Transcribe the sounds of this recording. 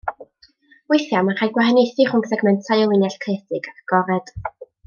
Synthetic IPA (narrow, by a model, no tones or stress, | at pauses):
wejθjamaχajɡwaɦɛnejθɨχʊŋksɛɡmɛntʰajɔlˠɪnjaɬkʰrɛθɪɡakʰɡ̥ɔɾɛd̥